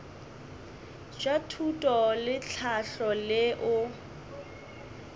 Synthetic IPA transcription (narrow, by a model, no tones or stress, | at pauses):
d͡ʒatʰutʼɔlɪt͡ɬʰaɬɔlɪʔʊ